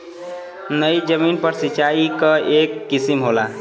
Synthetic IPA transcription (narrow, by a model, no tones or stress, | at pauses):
nəjd͡ʒəminpəɾsit͡ʃaikəekːisimɦola